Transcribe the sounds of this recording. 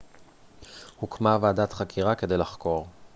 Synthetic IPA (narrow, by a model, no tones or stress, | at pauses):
hukmavaadat̪χakʰiʁake̞d̪e̞jlaχko̞ʁ